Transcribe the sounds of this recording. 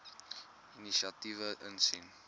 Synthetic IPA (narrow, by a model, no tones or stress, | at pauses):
iniʃiɐtivəʔənsin